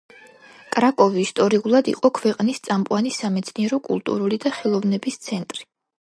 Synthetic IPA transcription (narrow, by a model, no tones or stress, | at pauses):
kʼɾakʼɔviːst̪ʼɔɾiulˠad̪ḭqʼɔkʰvɛqʼnist̪sʼamqʼwanisːamɛt̪sʰniɛɾɔkʼṵlˠt̪ʼṵɾulid̪aχɛlˠɔvnɛbist̪sʰɛnt̪ʼɾi